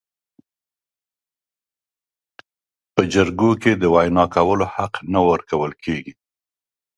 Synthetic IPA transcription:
pəd͡ʒaɾɡoked̪əwajnɑkawəlohaqnawəɾkawəlkʰeɡi

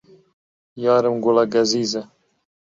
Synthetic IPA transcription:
jɑːɾɨmɡʊlaɡɐziːzɐ

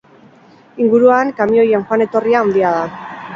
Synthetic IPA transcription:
iŋɡuɾuaŋkamio̞jenxwane̞t̪o̞riaːnd̪iað̞a

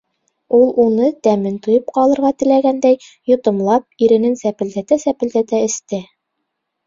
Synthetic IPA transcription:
ulˠunɤt̪æmɘnt̪ŏjɤp̚qɑlˠɤ̆ɾʁɑt̪ɘ̆læɡænd̪æjjŏt̪ŏmlˠɑp̚iɾɘ̆nɘnsæpɘ̆ld̪æt̪æsæpɘ̆ld̪æt̪æɘ̆st̪ɘ

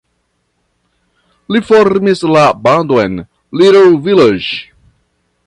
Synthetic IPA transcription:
lifoɾmislabandoen | liɾelviled͡ʒ

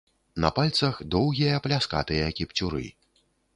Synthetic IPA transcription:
nɐ̰palʲt̪sɐxd̪ɔwɣʲijɐplʲaska̰t̪ɨjɐkʲipt͡sʲuɾɨ̰

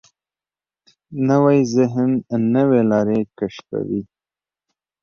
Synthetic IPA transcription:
nəwajzɪɦnnːəwelɑɾekaʃka̰wi

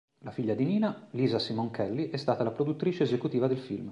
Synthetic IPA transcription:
lafiʎːad̪iniːnaliːzasimoŋkʰɛlːiʔɛst̪aːt̪alapɾod̪ut̪ːɾiːt͡ʃeːzekut̪iːvad̪elfilm

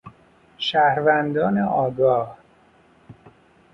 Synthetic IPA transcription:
ʃæhɾvænd̪ɒːneʔɒːɡɒːh

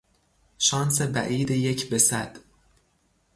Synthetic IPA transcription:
ʃɒːnsebæ̰ʔiːd̪ejecʰbesæd̪̥

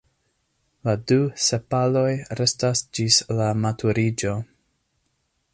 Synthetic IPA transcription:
laduse̞palo̞jɾe̞stasd͡ʒislamatʰuɾid͡ʒo̞

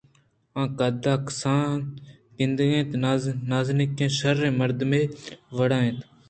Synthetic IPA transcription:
ãːkaːd̪aːksaː | kɪ̃nd̪ɡẽːt̪ːnaːznɪkːẽːʃəɾːẽːməɾd̪meːʋəɽãːẽːt̪

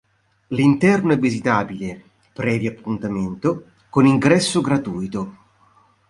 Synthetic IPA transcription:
lint̪ɛrnoɛvːizit̪aːbile | pɾɛːvjapʰːunt̪ament̪o | koniŋɡɾɛsːoɡɾat̪uːjt̪o

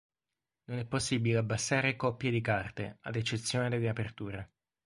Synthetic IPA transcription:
nonɛpːosːibileabːasːaːɾekɔpːjed̪ikart̪ḛa̰d̪et͡ʃːet̪sːjoːned̪ed̪eapert̪uːɾe

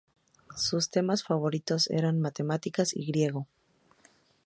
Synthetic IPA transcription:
sust̪e̞masfaβ̞o̞ɾit̪o̞se̞̰ɾanmat̪e̞mat̪ikasḭɣɾje̞ɣo̞

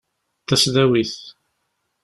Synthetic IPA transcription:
θæsðæwiθ

